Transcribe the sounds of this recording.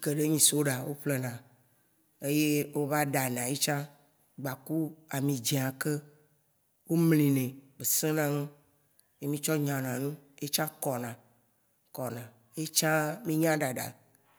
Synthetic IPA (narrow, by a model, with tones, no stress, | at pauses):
ke˨ɖe˦ɲĩ˨so˦ɖa˨wo˦ɸle˦nã˨ | e˦je˦wo˦va˦ɖa˨nã˨je˦t͡ʃã˦ | ɡ͡ba˨ku˦a˨mĩ˨d͡ʒi˨a˨ke˦ | wo˦mlĩ˨nɛ̃˨be˨sẽ˦nã˦ŋẽ˦ | je˦mĩ˦t͡ʃɔ˦ɲã˨nã˨nũ˦je˦t͡ʃã˦kɔ˨nã˨ | kɔ˨nã˨ | e˦t͡ʃã˦mĩ˦ɲã˦ɖa˨ɖa̰˨